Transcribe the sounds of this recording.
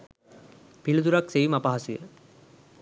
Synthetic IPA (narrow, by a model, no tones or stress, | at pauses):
pilud̪uɾaksejumapaɦasujə̰